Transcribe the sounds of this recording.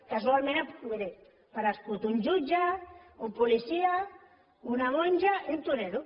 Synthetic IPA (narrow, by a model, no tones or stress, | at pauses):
kasualmẽnapkuβeɾe | paɾasput̪uɲd͡ʒud͡ʒaumpulisia | unaβɔɲʲd͡ʒaiunt̪uɾeɾu